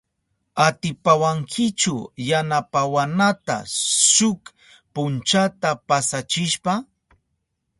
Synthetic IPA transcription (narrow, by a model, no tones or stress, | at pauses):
at̪ɪpawaŋkʰɪt͡ʃʊjanapawanat̪a̰ʃʊk | pʊnt͡ʃat̪apasat͡ʃɪʃpa